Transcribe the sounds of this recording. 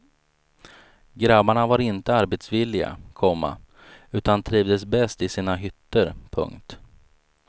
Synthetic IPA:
ɡɾabaɳavaɾɪnt̪əaɾbet̪svɪlːɪɡa̰kʰɔmːa̰ | ʉ̟ːt̪ant̪ʰɾiːvd̪əsbɛst̪ɪsiːnaɦʏt̪ːəɾpʰɵ̰ŋkt̪

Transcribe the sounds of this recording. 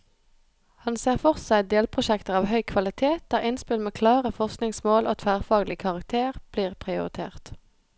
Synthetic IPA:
hɑnseːʁfɔʁsæɪd̪eːlpʰʁʊʃɛkt̪əʁɑːʋhœʏkʰʋɑlɪt̪ʰeːt̪̚d̪̥æːʁɪnspɪlmeːkʰlɑːʁəfɔʁsknɪŋsmoːlʔo̰ːt̪ʰfæːʁfɑːɡlɪkʰɑʁɑk̚t̪ʰeːʁb̥liːʁpʰʁɪʊʁɪt̪ʰḛːʁt̪

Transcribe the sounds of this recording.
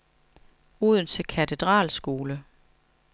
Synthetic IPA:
uð̞̰ˠn̩t͡sʰe̝lkʰæt͡sʰed̥ʁɑ̰̈ːlsɡ̥o̝ːlə

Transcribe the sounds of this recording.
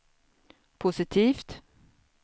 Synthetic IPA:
pʰʊsɪt̪ʰiːft̪

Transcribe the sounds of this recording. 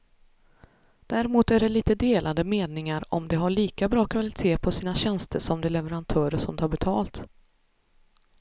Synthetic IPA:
d̪̥æɾɛmuːt̪æɖɛliːt̪əd̪eːlʔad̪əmeːnɪŋaɾɔ̰md̪ɛɦaɭiːkabɾɑːkʰvalɪt̪ʰeːpʰɔsiːnaɕɛnst̪əʂɔmd̪ɛlɛvəɾant̪ʰœːɾəʂɔmt̪ʰɑːɾbɛt̪ʰɑ̰ːlt̪

